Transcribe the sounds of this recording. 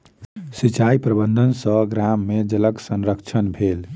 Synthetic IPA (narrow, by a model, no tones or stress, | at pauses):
sit͡ʃaipɾəbənd̪ʱənsəɡɾamːed͡ʒələksənɾəkt͡ʃʰənbʱel